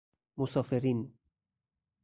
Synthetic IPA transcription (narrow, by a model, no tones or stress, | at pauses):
mosɒːfeɾin